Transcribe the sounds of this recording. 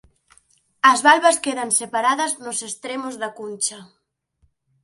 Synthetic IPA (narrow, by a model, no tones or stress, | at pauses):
ɐzβalβɐskeðɐnsepaɾaðɐznʊsest̪ɾemʊzðɐkunʲt͡ʃɐ